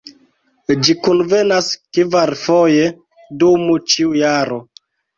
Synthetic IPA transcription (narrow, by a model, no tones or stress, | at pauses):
d͡ʒikunvenaskivaɾfoje̞ | dumut͡ʃiujaɾo